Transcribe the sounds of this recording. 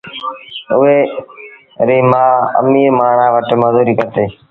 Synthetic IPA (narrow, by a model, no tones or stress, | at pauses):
ʊɦeː | ɾiːmaːə̰miːɾmaːɳaːʋəʈməzuːɾiːkəɾt̪eː